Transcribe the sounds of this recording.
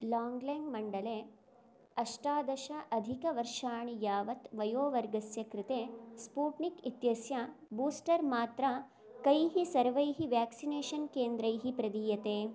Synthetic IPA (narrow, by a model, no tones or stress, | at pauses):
laːŋɡleːŋɡmɐɳɖɐleː | ɐʂʈaːd̪ɐʃɐʔɐd̪ʱikɐʋɐɾʃaːɳijaːʋɐt̪ʋɐjoːʋɐɾɡɐsjɐkɾɪt̪eːspuːʈnikit̪jɐsjɐbuːsʈɐɾmaːt̪ɾɐ | kɐjɦisɐɾʋɐjɦiʋjaːksineːʃɐnkeːnd̪ɾɐjɦipɾɐd̪iːjɐt̪eː